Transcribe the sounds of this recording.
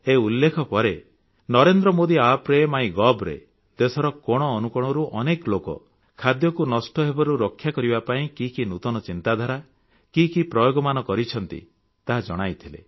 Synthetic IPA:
eulːekʰɔpɔɾe | nɔɾend̪ɾɔmod̪iapɾemaĩɡɔbɾḛ | d̪esɔɾɔkɔɽ̃ɔːnukɔɽ̃ɔɾuʔɔneklokɔ̰ | kʰad̪jɔkunɔsʈɔɦebɔɾuɾɔkʰːjakɔɾibapaĩkikinut̪ɔnɔt͡ʃint̪ad̪ʱaɾa | kikipɾɔjoɡɔmanɔkɔɾit͡ʃʰɔnt̪ḭ | t̪aɦad͡ʒɔɽ̃ajt̪ʰilḛ

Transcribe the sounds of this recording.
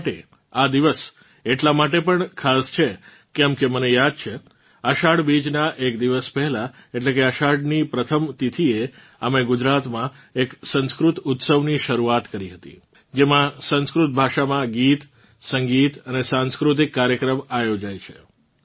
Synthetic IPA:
ʈḛ | ad̪iʋəs | eʈlamaʈepəɳkʰast͡ʃʰe | kɛmkemənejad̪̚t͡ʃʰe | əʃaɽbid͡ʒnaʔekd̪iʋəspɛɦɛla | eʈlekeəʃaɽnipɾət̪ʰəmt̪it̪ʰie | ameɡʊd͡ʒɾat̪mã | eksə̃nskɾut̪ʊt̪səʋniʃəɾuat̪kəɾiɦət̪ḭ | d͡ʒemãsə̃nskɾʊt̪̚bʱaʃamãɡit̪ | səŋɡit̪ənesãnskɾʊt̪̬ikːaɾjəkɾəmajod͡ʒajt͡ʃʰe

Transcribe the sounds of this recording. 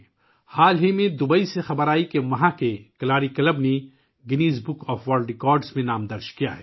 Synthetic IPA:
haːlɦimẽd̪ʊbəisexɐbəɾaːikemɐɦãkekɐlaːɾikɐlɐbne | ɡɪniːsbʊkɔːfʋaːlɖɪkɔːɾɖsmẽnaːmd̪ɐɾʃkija̰ɦɛː

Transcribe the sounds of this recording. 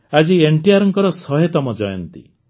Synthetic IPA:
ad͡ʒieɳʈiaɾɔŋkɔɾɔsɔɦet̪ɔmɔd͡ʒɔjɔ̰nt̪ḭ

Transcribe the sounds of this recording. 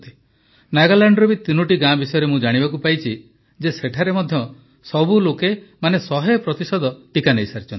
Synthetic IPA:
t̪i̥ | naɡalaɳɖɔɾubit̪inuʈiɡãbisɔjɔɾemũd͡ʒaɽ̃ibakupajt͡ʃʰi | d͡ʒeseʈʰaɾemɔd̪ʱjɔ | sɔbulokemanesɔɦepɾɔt̪isɔd̪ɔʈikanejsaɾit͡ʃʰɔnt̪i

